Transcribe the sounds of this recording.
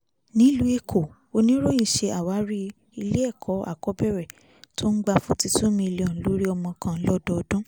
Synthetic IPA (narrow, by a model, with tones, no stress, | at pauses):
nĩ˦lu˨˦e˧kʰo˨ | o˧nĩ˦ɾo˦j̃ĩ˦˨ʃe˧a˨wa˨˦ɾi˦ | i˧le˦ɛ˦˨kʰɔ˨˦a̰˨kɔ˨˦bɛ˦˨ɾɛ˨ | to˦n̩˦ɡ͡ba˧fũ˦ti˧tũ˦mĩ˧li˨ɔ̃˨lo˨˦ɾi˦ɔ˧mɔ̃˧kʰã˨˦lɔ˦dɔ˧ɔ˧dũ˦